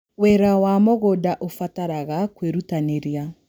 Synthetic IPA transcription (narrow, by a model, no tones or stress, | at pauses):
wɛɾawamoɣodaʔofataɾaɣakweɾutaneɾia